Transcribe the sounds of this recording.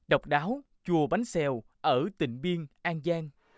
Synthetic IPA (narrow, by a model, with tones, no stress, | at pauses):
ɗə˨˩wk͡p̚ɗaː˨˦w | t͡ɕu˨˩əɓa˨˦ŋsɛ˧w | ʔəː˧˩t̪ï˧˩ŋ̟vi˧ənʔaː˧ŋzaː˧ŋ